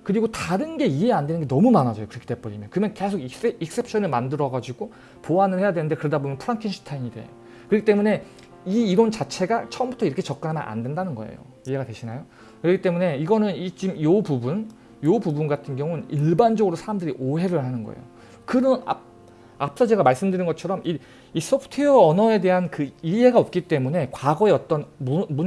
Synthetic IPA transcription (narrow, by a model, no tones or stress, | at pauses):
kɯɾiɡotaɾɯnɡe̞ie̞ande̞nɯnɡe̞nʌmumanad͡ʑʌjokɯɾʌkʰi̥t͈ep͈ʌɾimjʌnkɯmʌnke̞sʰoɡik̚s͈e̞p̚ʰɕʰʌnɯɭmandɯɾʌɡad͡ʑuiɡo | poanɯɭhe̞jadwe̞nɯnde̞kɯɾʌdabomjʌnpʰɯɾaŋkʰinɕʰi̥tʰainide̞jo | kɯɾʌkʰit͈e̞mune̞ | iːɾʌnt͡ɕat͡ɕʰe̞ɡat͡ɕʰʌʌmbutʰʌiɾʌkʰe̞t͡ɕʌk͈ɯnɦamjʌnʔa̰ndwe̞ndanɯnɡʌ̰ḛjo̰ | ie̞ɡatwe̞ɕʰinajo | kɯɾʌɡit͈e̞mune̞iɡʌnɯnit͡ɕimjopubun | jobubunɡatʰɯnɡjʌŋuɯniɭband͡ʑʌɡɯɾosʰaɾamdɯɾiʔoɦe̞ɾɯɭhanɯnɡʌ̰ḛjo̰ | kɯɾʌna̰ | ap̚ʰs͈ʌd͡ʑe̞ɡamaɭs͈ɯmdɯɾinɡʌt͡ɕʰʌɾʌmi | isʰopʰɯ̥tʰeʌːnʌe̞de̞ɦankɯiɦe̞ɡaʌp̚k͈it͈e̞mune̞kwaɡʌe̞ʌt͈ʌnmun